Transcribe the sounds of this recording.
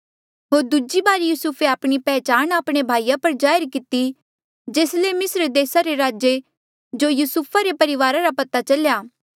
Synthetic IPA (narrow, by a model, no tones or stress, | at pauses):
ɦoːɾd̪ʊd͡ʒibaːɾjuːsʊpʰeaːpɽ̃ipɛːt͡ʃaːñaːpɽ̃ebʱaːijapɐɾd͡ʒaːjɾkɪt̪i | d͡ʒeːslemɪsɾd̪eːsaɾeɾaːd͡ʒe | d͡ʒoːjuːsʊpʰaɾepɐɾɪʋaːɾaɾapɐt̪at͡ʃɐljaː